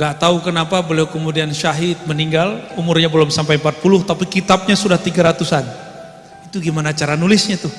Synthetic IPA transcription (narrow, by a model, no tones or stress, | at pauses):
ŋɡaʔt̪aukənapabəliawkəmudianʃaɦit̪̚məniŋɡalumʊrɲabəlɔmsampajmpat̪̚pulʊht̪apikit̪ap̚ɲasudaht̪iɡaɾat̪usan | it̪uɡimanat͡ʃaɾanulɪsɲat̪ʊh